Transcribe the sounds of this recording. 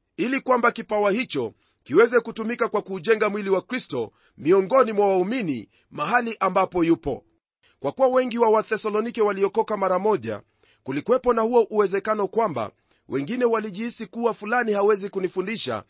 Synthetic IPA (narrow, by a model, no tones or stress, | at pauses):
ilikwambakipawahit͡ʃɔ | kiwɛzɛkutumikakwakuːʄɛŋɡamwiliwakɾistɔ | miɔŋɡɔnimwawaumini | maɦaliʔambapɔjupɔ̰ | kwakuwawɛŋɡiwawaθɛsalɔnikɛwaliɔkɔkamaɾamɔʄa̰ | kulikwɛpɔnahuɔʔuɛzɛkanɔkwamba̰ | wʔɛŋɡinɛwaliʄiisikuwafulanihawɛzikunifundiʃa̰